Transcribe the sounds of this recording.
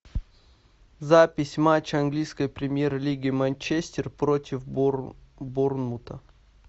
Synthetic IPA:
zapʲɪsʲmat͡ɕːɐnɡlʲijskəjpɾʲɪmʲjerlʲiɡʲɪmanʲt͡ɕesʲtʲɪrpɾotʲɪf | burnmut̪ə

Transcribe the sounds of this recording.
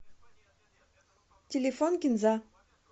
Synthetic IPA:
tʲelʲefɔnkʲinza

